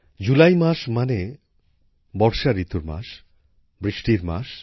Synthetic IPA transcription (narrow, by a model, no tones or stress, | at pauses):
d͡ʑulajmaʃmane | bɔɾʃaɾit̪uɾma̰ʃ | bɾiʃʈiɾma̰ʃ